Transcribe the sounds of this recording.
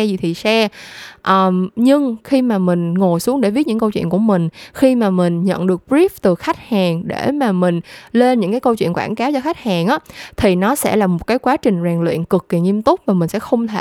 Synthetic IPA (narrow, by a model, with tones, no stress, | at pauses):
zi˨˩t̪ʰi˨˩sɛ˧ʔəː˨˩ɲɨ˧ŋxi˧maː˨˩mï˨˩ŋ̟ŋo˨˩jsu˨˦əŋɗe˧˩vi˦˥t̚ɲɨ̰˧˥ŋkə˧wt͡ɕwḭ˧˨ənku˧˩əmï˨˩ŋ̟xi˧maː˨˩mï˨˩ŋ̟ɲə̰˧˨nɗɨ˨˩ək̚bɾi˦˥ft̪ɨ˨˩xa˦˥jk̚haː˨˩ŋɗe˧˩maː˨˩mï˨˩ŋ̟le˧nɲɨ̰˧˥ŋkaː˨˦jkə˧wt͡ɕwḭ˧˨ənkwaː˧˩nkaː˨˦wt͡ɕɔ˧xa˦˥jk̚haː˨˩ŋʔaː˨˦t̪ʰi˨˩nɔ˨˦sɛ̰˧˥laː˨˩mo˨˩t̚kaː˨˦jkwaː˨˦t͡ɕï˨˩ŋ̟zaː˨˩ŋlwḭ˧˨ənkɨ˨˩kːi˨˩ŋi˧əmt̪ʊ˦˥k͡p̚vaː˨˩mï˨˩ŋ̟sɛ̰˧˥xə˧wŋ͡mt̪ʰe˧